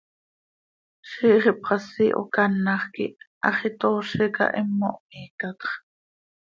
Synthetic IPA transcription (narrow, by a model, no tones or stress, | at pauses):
ʃiːχipχɑsiʔo̰kɑnːɑχkiʔʔɑχit̪oːʃikɑ̰ʔimːoʔmiːkɑt̪χ